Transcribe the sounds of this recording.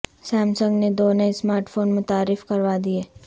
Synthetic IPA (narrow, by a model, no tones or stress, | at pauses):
sɛ̃ːmsə̃ŋɡned̪oːnəesmaːɾʈfoːnmʊt̪aːɾːɪfkɐɾʋad̪ieː